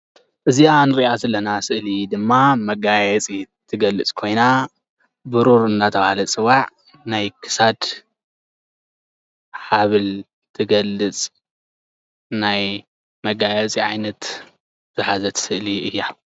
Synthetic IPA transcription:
ʔɨzianɨɾiʔazɐlːɐnasɨʔlid̪ɨmːamɐɡajɛt͡sʼit̪ʰɨɡɐlːɨt͡sʼkʰo̞jna | bɨɾuɾɨnːat̪ʰɐβahalɐt͡sʼɨwaʕ | najkʰɨ̥sad̪ | ħaβɨl | t̪ʰɨɡɐlːɨt͡sʼ | naj | mɐɡajɛt͡sʼiʕajnɐt̪ | z̥ɨħazɐt̪ʰsɨʔliɨjːa

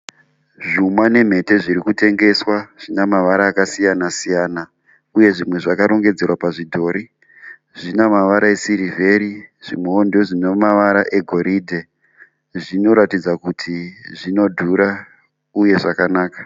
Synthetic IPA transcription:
ʐumwane̞m̤e̞te̞ʐiɾikute̞ŋɡe̞swaʐ̥inamaʋaɾaːkasijanasijaːna | uje̞ʐimwe̞ʐakaɾo̞ŋɡe̞d͡ze̞rwapaʐidʱo̞ːɾi | ʐinamaʋaɾae̞siɾive̞ɾiʐ̥imeondo̞ʐinemaʋaɾaʔe̞ɡʱo̞ɾiːdʱe̞ | ʐino̞ɾatid͡zakutʰiʐino̞dʱuɾa | uje̞ʐakanaːkḁ

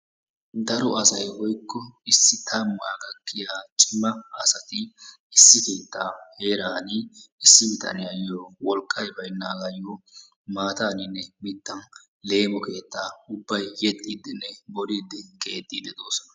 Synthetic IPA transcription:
d̪ɐɾɔʔɐsɐjhɔjkːɔɪsːɪt̪ʰamːʊa̰ɡɐkːɪjaːt͡ʃʼɪmːɐɐsɐt̪ɪ | ɪsːɪke̞ːt̪ːaːhe̞ːɾaːnɪɪsːɪbɪt̪ʰʼɐ̰nɪjajoːwɔlkʼːɐjbɐjnːaːɡɐjo | maːt̪aːnɪnːɛmɪt̪ːɐn | le̞ːmɔke̞ːt̪ːaːʊbːɐjjɛt̪ʼːiːd̪ɪnːɛbɔliːd̪ːɪkʼe̞ːt̪ʼːiːd̪ɛd̪oːsɔnɐ

